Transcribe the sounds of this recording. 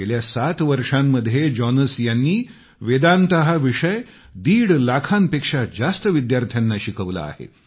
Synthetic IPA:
eljasat̪ʋəɾʂamːəd̪ʱːjed͡ʑɔnəsjanːiː | ʋed̪ant̪əɦaʋiʂəj | d̪iːɽlakʰanpekʂad͡zast̪əʋid̪jaɾt̪ʰjanːaɕikəʋla̰ːɦḛ

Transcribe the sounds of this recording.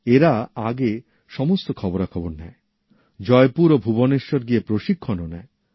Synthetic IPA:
eɾaaɡe | ʃɔmost̪okʰɔboɾakʰɔboɾnɛ̰e | d͡ʑɔepuɾobʱuboneʃːoɾɡiepɾoʃikʰːononɛ̰e

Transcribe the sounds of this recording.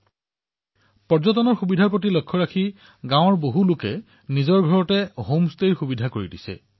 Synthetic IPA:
pɔɹzɔtɔnɔɹxubidʱaɹpot̬ilɔkʰːɔɹakʰi | ɡãw̃ɔɹboɦulʊkɛ | nizɔɹɡʱɔɹɔtɛɦomsteɹxubidʱakoɹidisɛ̰

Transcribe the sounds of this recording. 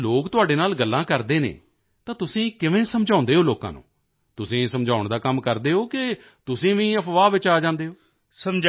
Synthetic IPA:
loːkt̪ʊaːɖeːnaːlɡəlːãːkəɾd̪eːnḛː | t̪ãːt̪ʊsĩːkɪʋẽːsəmd͡ʒãːnd̪eːɦoːloːkã̰ːnṵ̃ː | t̪ʊsĩːsəmd͡ʒaːʊɳd̪aːkəmkəɾd̪eːɦoːkɪ | t̪ʊsĩːʋĩːəpʰʋaːʋɪt͡ʃaːd͡ʒãːnd̪eːɦoː | səmd͡ʒ

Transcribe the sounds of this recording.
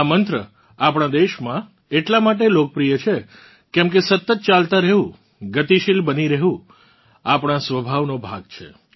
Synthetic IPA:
amənt̪ɾə | apɽ̃ãd̪eʃmã | eʈlamaʈ̬elok̚pɾijət͡ʃʰe | kɛ̃mk̬esət̪ːət̪̚t͡ʃalt̪aɾəɦɦũ | ɡət̪iʃilbəniɾəɦũ | apɽ̃ãsʋəbʱaʋnobʱa̰ɡ̚t͡ʃʰḛ

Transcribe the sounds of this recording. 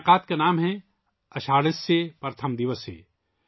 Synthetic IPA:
qaːt̪̚kanaːmɦɛ | ɐʃaːɽɪsːepɐɾt̪ʰəmd̪iʋəsḛː

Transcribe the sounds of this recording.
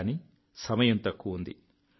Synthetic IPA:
ni | sɐmɐjɐnt̪ɐkːuund̪ḭ

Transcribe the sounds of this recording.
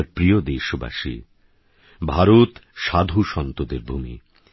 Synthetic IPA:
ɾpɾijod̪eʃoba̰ʃḭ | bʱaɾot̪ʃad̪ʱuʃɔnt̪od̪eɾbʱumḭ

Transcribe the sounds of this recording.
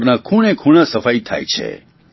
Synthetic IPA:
ɾnakʰuɽekʰuɳ̃asəfait̪ʰa̰jt͡ʃʰḛ

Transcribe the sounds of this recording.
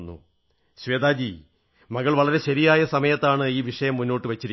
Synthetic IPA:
nːṵ | ɕʋeːd̪aːd̪i | mɐɣɐɭʋɐɭɐɾe̞ɕɐɾijaːjɐsɐmɐjɐt̪ːaːɳɨiːʋiʂɐjɐmːunːo̞ːʈːɨʋɐt͡ɕːiɾi

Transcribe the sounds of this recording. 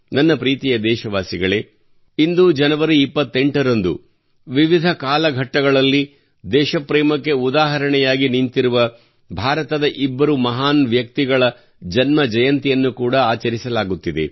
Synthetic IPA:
nɐnːɐpɾiːt̪ijɐd̪ɛːʃɐʋaːsiɡɐɭe | ind̪ud͡ʒɐnɐʋɐɾuipːɐt̪ːeɳʈɐɾɐnd̪ṵ | ʋiʋid̪ʱɐkaːlɐɡʱɐʈːɐɡɐɭɐlːi | d̪ɛːʃɐpɾɛːmɐkːe̞ud̪aːɦɐɾɐɳɛjaːɡinint̪iɾuʋɐ | bʱaːɾɐt̪ɐd̪ɐʔibːɐɾumɐɦaːnʋjɐk̚t̪iɡɐɭɐ | d͡ʒɐnmɐd͡ʒɐjɐnt̪ijɐnːukuːɽɐaːt͡ʃɐɾisɐlaːɡut̪ːid̪e̞̰

